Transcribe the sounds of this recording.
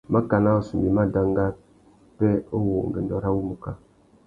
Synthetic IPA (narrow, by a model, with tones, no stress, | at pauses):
ma˦ka˨na˦o˨su˨mbi˨ma˦da˦ŋɡa˦ | pɛ˦o˦wo˨ŋ˨ɡe˨ndɔ˨ɾa˦wu˦mu˨ka˦